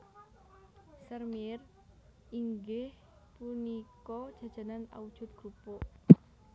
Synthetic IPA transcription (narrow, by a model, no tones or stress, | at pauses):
sərmir | iŋɡɪh | punikɔd̥ʒ̥ä̤d̥ʒ̥a̤nana̰ud̥ʒ̥ṳt̪̚ɡ̥ɾupo